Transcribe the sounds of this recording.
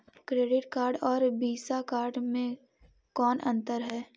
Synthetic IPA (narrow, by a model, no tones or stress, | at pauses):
kɾeːɖɪʈkaːɾɖɔːɾbiːsakaːɾɖmẽ | kɔːnʔɐ̰̃nt̪əɾɦɛː